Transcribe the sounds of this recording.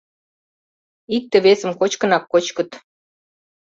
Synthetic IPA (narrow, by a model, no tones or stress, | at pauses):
ik̚t̪ə̆βesə̆mkot͡ɕkə̆nɑkːot͡ɕkə̆t̪